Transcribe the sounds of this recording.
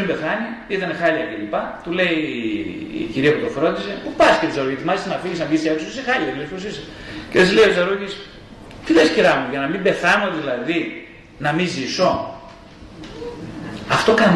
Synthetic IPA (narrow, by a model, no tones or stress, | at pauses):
imbe̞θɐniit̪ɐnexɐliɐcelipɐt̪ule̞ḭ | ciɾiɐput̪ofɾo̞t̪ise̞pupɐsi̥keosɐɾoʝit̪imɐlist̪ɐnɐfiʝisnɐvʝist̪ieksosixɐliɐilesposisɐ | ceðɐslejosɐɾoʝis | t̪iðɐsciɾɐmuʝɐnɐmimbe̞θɐno̞ðilɐði | nɐmiziso̞ | ɐft̪o̞kɐn